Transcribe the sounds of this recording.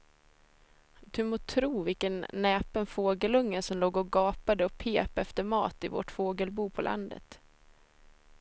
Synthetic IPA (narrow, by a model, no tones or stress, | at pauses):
d̪̥ɵmoːt̪ʰɾuːvɪlkənːɛːpənfoːɡəlɵŋːəsɔmloːɡɔɡɑːpad̪əɔpʰeːpɛft̪əɾmɑ̰ːt̪ɪvo̰ʈfoːɡəlbuːpʰɔlʔa̰nd̪ə̰t̪